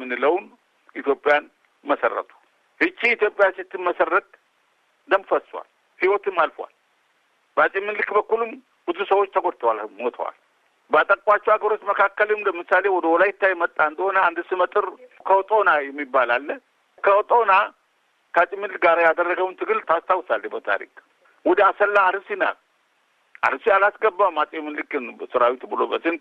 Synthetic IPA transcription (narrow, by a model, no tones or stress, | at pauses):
mɨnːɨləwn | ʔit̪jo̞pʼɪjan | məsə̰rːə̰t̪ʰu̥ | hɨt͡ʃːiːt̪jo̞pʼɪjansɨt̪ːɨnməsərːət̪̚ | d̪əmfəswa̰l | hiwɔt̪ɨmːalfowa̰l | bəasʼimːɨnlɨkbəkːulum | bɨzusəwo̞t͡ʃːt̪ʰəɡʷoɾt̪ʰəwalmo̞t̪ʰə̰wa̰l | bəat̪ʼəkʼʷat͡ʃːɛwaɡəɾo̞t͡ʃːməkʰakːəlemləmɨsale̞wɔd̪əwɔlajɪt̪ʰːajmət̪ʼːaɨnd̪əho̞nəand̪sɨmət̪ʼɨɾkʰəwɔt̪ʼonajɛmːibːalalːə | kʰəɔt̪ʼona | kʰəasʼɪmːɨnlɨkɡaɾajad̪ərːəɡəwnt̪ʰɨɡɨlt̪ʰast̪ʰawsalːɛbət̪ʰa̰ɾḭkʼ | wɔd̪əasəlːaːɾɨsina̰ | ʔa̰ɾɨsialasɡəbːawmasʼemːɨnlɨkɨnsɨɾawit̪bɨlobəsɨn